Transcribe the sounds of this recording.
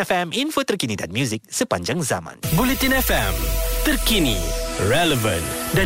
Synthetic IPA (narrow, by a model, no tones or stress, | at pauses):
ɛfɛminfot̪ərkinidanmjuzik̚səpaɲd͡ʒaŋza̰mã̰nbulit̪inɛfɛmt̪ərkinḭrɛləvə̰̃nda